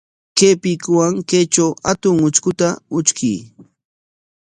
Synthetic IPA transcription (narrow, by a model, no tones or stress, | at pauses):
keːpɪkwaŋkejt͡ʃawat̪ʊŋʊt͡ʃkʊt̪aʊt͡ʃkij